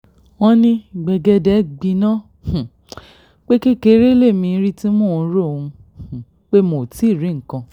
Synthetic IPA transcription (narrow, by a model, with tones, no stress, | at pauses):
ɔ̃˧nĩ˧˨ɡ͡bɛ˨ɡɛ˧dɛ˨˦ɡ͡bi˧nã˦ | hũ˨ | k͡pe˦ke˦ke˧˦ɾe˦le˦˨mĩ˧˦ɾi˦tĩ˦mɔ̃˦˨˧ɾo˦˨ũ˧hũ˨ | k͡pe˦mo˨ti˦˨ɾi˨˦ŋ̩˨kã˧